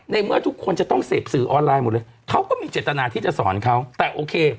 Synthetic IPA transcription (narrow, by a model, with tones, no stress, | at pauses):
na˧jmɯ˥˩ɐt̪ʰu˦˥kʰːo˧nt͡ɕa˨˩t̪ɔ˥˩ŋseː˨˩p̚sɯː˨˩˦ʔɔː˧nlaː˧jmo˨˩˦t̚lɤː˧jkʰa˦˥wkɔː˥˩miː˧t͡ɕeː˨˩t̪ːa˧naː˧t̪ʰiː˥˩t͡ɕa˨˩sɔː˩˦nkʰa˦˥wt̪ɛː˨˩ʔoː˧kʰeː˧